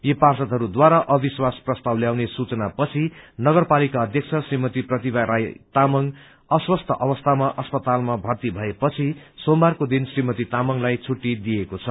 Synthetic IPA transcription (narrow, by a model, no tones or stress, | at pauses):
jeparsʌt̪ɦʌɾud̪waɾaʔʌbiswasprʌst̪awljawnesut͡sʌnapʌt͡sʰinʌɡʌrpalikaʌd̪ʱjʌk̚t͡sʰʌsrimʌt̪iprʌt̪ibaɾajt̪amʌŋ | ʌswʌst̪ʰʌʔʌbʌst̪ʰamaʔʌspʌt̪almabʱʌrt̪ibʱʌepʌt͡sʰisombarkod̪insrimʌt̪it̪amʌŋlajt͡sʰuʈːid̪ijekot͡sʰʌ